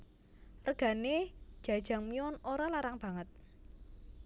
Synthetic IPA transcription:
rɡ̥a̤ned̥ʒ̥ä̤d̥ʒ̥a̤ŋmiɔnoɾalaɾaŋb̥a̤ŋət̪̚

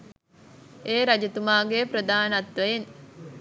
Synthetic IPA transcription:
eːɾɐd͡ʒet̪umaːɡepɾəd̪aːnɐt̪ʋeen

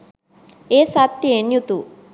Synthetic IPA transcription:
eːsat̪ːienjut̪u

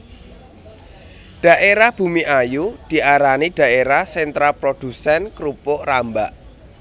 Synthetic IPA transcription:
ɖ̥ä̤ʔeɾahb̥ṳmiʔajud̪̥i̤ʔaɾaniɖ̥ä̤eɾahsɛnt̪ɾapɾod̪̥ṳsɛnkɾupʊʔrambaʔ

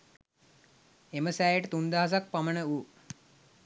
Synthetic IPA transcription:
eməsæːjəʈət̪und̪aɦas̬ak̚pamənəu

